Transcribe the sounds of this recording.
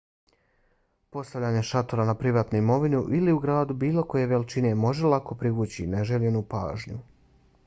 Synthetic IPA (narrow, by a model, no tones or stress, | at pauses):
po̞st̪aʋʎʲaːɲe̞ʃat̪oɾanapɾiʋaːt̪nuimo̞ʋinuʔiliuɡɾaːd̪ubiːlˠo̞ko̞je̞ʋelit͡ʃine̞mo̞ʒelˠako̞pɾiʋut͡ɕineʒeʎenupa̰ːʒɲṵ